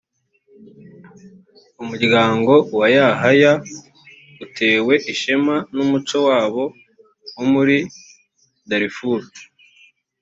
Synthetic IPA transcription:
umuɾɡaːŋɡo̞wajaɦaja | utʰe̞ːwe̞ʔiʃemanumut͡ʃo̞waːβo̞ | wumuɾi | daɾifuɾu

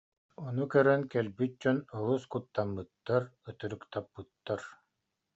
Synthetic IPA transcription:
ɔnukœɾœŋkɛlbyt̪̚d͡ʑɔnɔlˠuskut̪ːamːɯt̪ːaɾœt̪œɾykt̪apːɯt̪ːaɾ

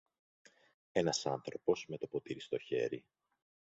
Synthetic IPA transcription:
e̞nɐsɐnθɾo̞po̞sme̞t̪o̞pot̪iɾist̪o̞çe̞̰ɾi

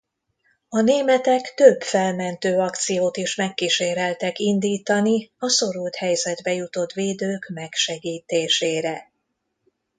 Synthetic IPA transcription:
ɒneːmɛt̪ɛkt̪øbfɛlmɛnt̪øːɒkt̪sijoːt̪iʃmɛkːiʃeːɾɛlt̪ɛkind̪iːt̪ɒniɒso̞ɾult̪hɛjzɛd̪bɛjut̪o̞t̪ʋeːd̪øːkmɛkʃɛɡiːt̪eːʃeːɾɛ

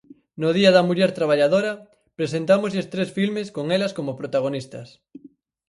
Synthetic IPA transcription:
noð̞iɐðɐmuʎɛɾt̪ɾaβ̞aʎaðoɾɐ | pɾesent̪amozest̪ɾesfilmeskoŋelɐskomopɾot̪aɣ̞onist̪ɐs

